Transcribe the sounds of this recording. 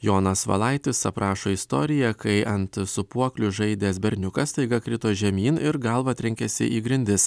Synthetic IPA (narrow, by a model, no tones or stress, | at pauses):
joːnɐsʋɐ̰lˠɐɪt̪ʲɪsɐpɾɑːʃoːist̪o̰ːɾʲɪjɛkɐɪʔɐnt̪sʊpuɔklʲʊʒɐɪd̪ʲeːsbʲɛɾʲnʲʊkɐst̪ɐɪɡɐkɾʲɪt̪oːʒʲɛmʲiːnɪɾɡɐlˠʋɐt̪ʲɾʲɪŋʲkʲɛsʲɪ̰ʔiːɡɾʲɪnʲd̪ʲɪs